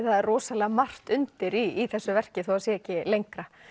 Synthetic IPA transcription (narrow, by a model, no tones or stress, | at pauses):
θaðɛrrɔːsalɛɣamar̥t̪ʏnt̪ɪɾiːθɛsːʏvɛr̥cɪθuaðsjɛɛcːɪlejŋkɾa